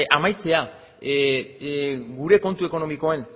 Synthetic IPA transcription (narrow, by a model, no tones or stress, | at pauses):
ʔamajt͡se̞a | ɡuɾe̞ko̞nt̪ue̞ko̞no̞miko̞e̞n